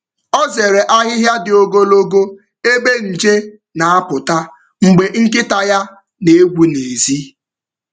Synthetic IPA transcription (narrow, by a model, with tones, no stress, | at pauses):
ɔ˦ze˨ɾe˨ʔa˦ɦɪ˦ɦja˦dɪ˨o˦ɡo˦lo˦ɡo˦ | e˦be˦n̩˨d͡ʒe˦ | na˨a˦pʊ˨ta˦ | ŋ͡m̩˨ɡ͡be˨ŋ̩˦k̬ɪ˦ta˨ja˦ | ne˨e˦ɡʷu˦ne˨zi˦